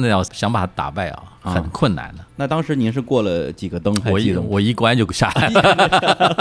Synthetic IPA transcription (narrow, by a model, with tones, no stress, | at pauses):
nə˧jɑ˥˩ɕjɑ˧˥ŋpa˨˩a˥t̪a̰˨˩pe˥˩ɪɐ̰˨˩xə˨˧˩nkʰwə˥˩na̰˧˩nd̪ə˦na˥˩t̪ɑ˥ŋʂɻ̩˧˥ni˧˥nʂɻ̩˥˧kwɔ˥˩lə˩t͡ɕi˨˩ɡə˦t̪ɤ˥ŋ˥ɔ˨˩i˥˩˧wɔ˨˩i˥˩kwa˥nt͡ɕjo˥˧ʊɕja˥˩la˥˩